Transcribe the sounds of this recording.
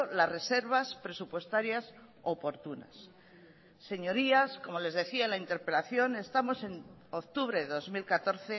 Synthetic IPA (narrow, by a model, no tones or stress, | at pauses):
olasre̞se̞ɾβ̞aspɾe̞supwe̞st̪aɾjas | o̞po̞ɾt̪una̰sː | e̞ɲo̞ɾiasko̞mo̞le̞zðe̞θiaelaint̪e̞ɾpe̞laθjo̞ne̞st̪amo̞se̞nokt̪uβ̞ɾe̞ðo̞zmilkat̪o̞ɾθe̞